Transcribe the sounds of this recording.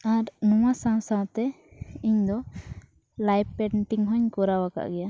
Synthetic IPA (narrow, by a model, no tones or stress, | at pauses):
aɾnũwasãw̃sãwt̪ɛ | iɲd̪ɔ | lajppɛɳʈiŋɦɔɲkɔɾawaka̰ʔɡɛja